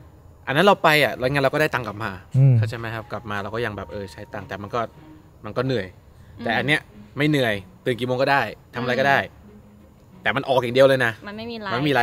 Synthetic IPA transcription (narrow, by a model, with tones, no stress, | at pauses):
ʔa˧nːa˦˥nɾa˧wpa˧ja˨˩ɾa˧jŋa˧nɾa˧wkːdaː˥˩t̪a˧ŋkla˨˩p̚maː˧kʰa˦˥˩t͡ɕʰa˥˩ma˦˥jkʰa˦˥p̚kla˨˩p̚maː˧ɾa˧wkɔː˥˩ja˧ŋbɛː˨˩p̚ʔɤː˧t͡ɕʰa˦˥jt̪a˧ŋt̪ɛː˨˩ma˧nkɔː˥˩ | ma˧nkɔː˥˩nɯ˨˩əj | t̪ɛː˨˩ʔa˧nːi˦˥ɐma˥˩jnɯ˨˩əjt̪ɯː˨˩nkiː˨˩moː˧ŋkɔː˥˩daː˥˩jt̪ʰa˧ma˧ɾjkɔ˥˩daː˥˩j | t̪ɛː˨˩ma˧nʔɔː˨˩kja˨˩ŋdi˧əwlɤː˧jna˦˥m˧˥˧a˧nma˥˩miː˧a˧˦